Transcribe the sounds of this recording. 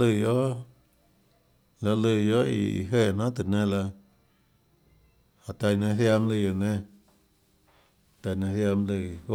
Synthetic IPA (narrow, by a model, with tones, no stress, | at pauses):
lɨ˧˨jo˦ | la˧lɨ˧˨jo˦ḭ˧ḭ˨ɦe˧˨nã˦t̪ɨ˨nẽ˧la˧ | ha˨t̪a˧˨nẽ˧ɦja˧mlɨ˧˨jo˧˨nẽ˧ | t̪a˧nẽ˧hja˧mlɨ˧˨˦